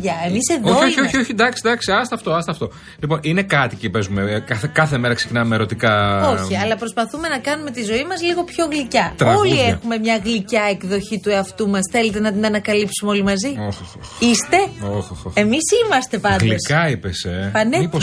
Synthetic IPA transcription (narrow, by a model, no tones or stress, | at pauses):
ʝɐemiseðooçioçioçio̞çid̪ɐksi̥d̪ɐksiɐst̪ɐft̪oɐst̪ɐft̪o̞ | lipo̞ninekɐt̪icepezumekɐθekɐθe̞meɾɐksecinɐmeɾo̞t̪ikɐo̞çiɐlɐpɾo̞spɐθume̞nɐkɐnume̞t̪izo̞imɐzliɣo̞pço̞ɣlicɐo̞liexume̞mɲɐɣlicɐekðo̞çit̪ueɐft̪umɐsθe̞let̪e̞nɐt̪̬inɐnɐkɐlipsumeolimɐzio | ist̪e̞oe̞misimɐst̪e̞pɐnɣlioskɐipesepɐne